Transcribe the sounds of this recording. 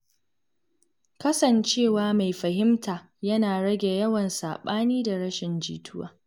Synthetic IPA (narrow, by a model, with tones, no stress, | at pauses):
kɐ˦sɐ˨nt͡ʃeː˦˨waː˦ma˨jɸɐ˨ɦɪ˦mtʰaː˨ | jɐ˦naː˨ɽɐ˦ɡʲe˨jɐ˦wɐ˨nsa̰ː˨ɓaː˦niː˦da˨ɽɐ˦ʃɪ˨nd͡ʒḭː˨tʰʊ˦wa̰ː˨